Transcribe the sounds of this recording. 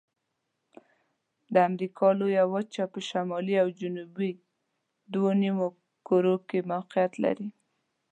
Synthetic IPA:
d̪əamɾikʰɑlojawat͡ʃapəʃamɑliawd͡ʒʊnubi | d̪wonimo | koɾokemawqijat̪la̰ɾi

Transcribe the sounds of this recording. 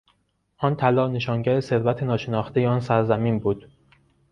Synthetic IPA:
ʔɒːnt̪ʰælɒːne̞ʃɒːŋɟæɾese̞ɾvæt̪ʰenɒːʃenɒːxt̪ʰe̞jeɒːnsæɾzæmiːnbuːd̪̥

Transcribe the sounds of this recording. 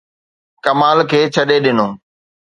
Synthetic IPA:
kɐmaːlkʰeːt͡ɕʰɐɗeɗɪnoː

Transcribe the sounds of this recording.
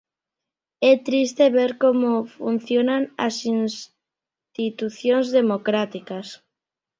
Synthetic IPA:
ɛt̪ɾist̪eβeɾkomofun̟θjonana̰sins | t̪it̪uθjonzðemokɾat̪ikas

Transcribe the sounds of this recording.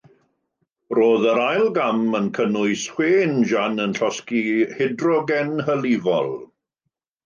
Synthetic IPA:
roːðəɾajlˠɡamənkʰənʊɨshweːnʒanənɬɔskihɪdrɔɡɛnhəlivɔlˠ

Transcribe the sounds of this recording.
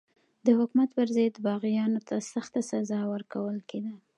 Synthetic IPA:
d̪əhʊkmat̪pəɾzed̪bɑɣijɑnot̪asaxt̪asazɑwəɾkawəlked̪a

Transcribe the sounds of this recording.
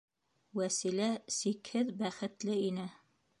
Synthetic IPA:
wæsilæsikhɘðbæχɘ̆t̪lɘinɘ

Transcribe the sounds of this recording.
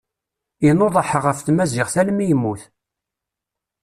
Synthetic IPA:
inoðˤɑħəʁəfθmæzɪʁθæləmijəmːuθ

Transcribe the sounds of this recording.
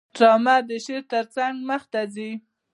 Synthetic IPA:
ʈɾɑmad̪əʃeɾt̪əɾt͡saŋɡməxt̪azi

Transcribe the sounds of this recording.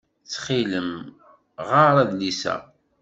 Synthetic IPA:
t͡sːχiləm | ʁaɾˤæðlisæ̰

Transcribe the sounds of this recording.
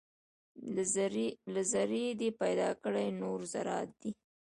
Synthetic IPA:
lazaɾed̪epajd̪ɑkəɽajnoɾzaɾɑt̪̚d̪i

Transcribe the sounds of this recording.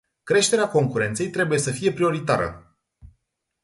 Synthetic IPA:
kɾe̞ʃt̪e̞ɾeako̞ŋkuɾe̞nt̪se̞jt̪ɾe̞buje̞səfije̞pɾio̞ɾit̪a̰ɾə̰

